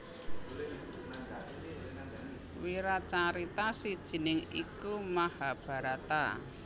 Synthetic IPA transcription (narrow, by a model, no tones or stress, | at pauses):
wiɾat͡ʃaɾit̪asid̥ʒ̥i̤nɪŋḭkumahab̥a̤ɾat̪a̰